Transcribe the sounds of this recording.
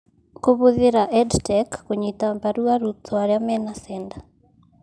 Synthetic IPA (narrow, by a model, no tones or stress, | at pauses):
koβoðeɾaʔɛdtɛkːoɲitambaɾuaɾut̪ʰɔaɾeamɛnasɛnda